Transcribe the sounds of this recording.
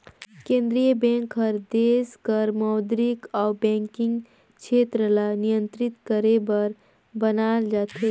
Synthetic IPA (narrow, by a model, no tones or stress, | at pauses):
kẽnd̪ɾijəbɛ̃ŋkɦəɾd̪eskəɾmɔd̪ɾikawbɛ̃ŋkiŋɡ | t͡ʃʰet̪ɾəlanijənt̪ɾit̪kəɾebəɾ | bənald͡ʒat̪e